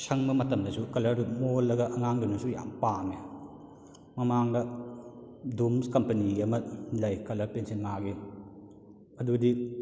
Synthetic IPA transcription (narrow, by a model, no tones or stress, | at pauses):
sɐŋbɐmɐtɐmdɐsukɐlɐɾumolːɐɡɐʔɐŋaŋdunusuja̰mpane | mɐmaŋdɐ | dumskɐmpɐniɐmɐlɐjkɐlɐɾpensenmaɡi | ɐdudi